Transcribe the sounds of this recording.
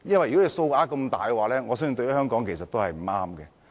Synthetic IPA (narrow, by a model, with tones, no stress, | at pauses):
jɐ˥nwɐ˨jy˨kɔ˨˥e˨˧so˧wʔaː˦˥kɐ˧mt̪a̰ː˨˩jwaː˨˩lɛː˦˥ŋɔ˨˧sœː˥sy˨˧t̪o˧ɥjy˥ɦœː˥ŋkɔː˨˥ŋkʰe˨˩jsɐ˨t̪ːo˥whɐ˨jm̩˨˩˦aː˥mkɛː˧